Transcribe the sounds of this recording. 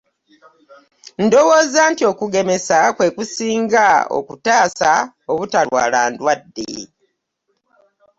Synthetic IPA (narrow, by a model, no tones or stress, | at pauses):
ndowo̞ːzaːntio̞kuɡe̞me̞sakwe̞ːkusiːŋɡao̰kutaːsa | oβutalwa̰ːlaːndwadːḛ